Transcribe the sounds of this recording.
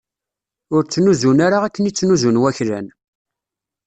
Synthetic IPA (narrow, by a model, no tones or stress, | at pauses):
ʊɾt͡sːnuzunaɾaʁækːənit͡sːnuzunwæçɾæ̰n